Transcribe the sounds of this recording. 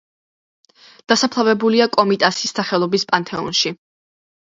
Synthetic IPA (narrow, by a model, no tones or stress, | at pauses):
d̪̥asapʰlˠavɛbuliakʼɔmit̪ʼasisːaχɛlˠɔbispʼant̪ʰɛɔ̰nʃi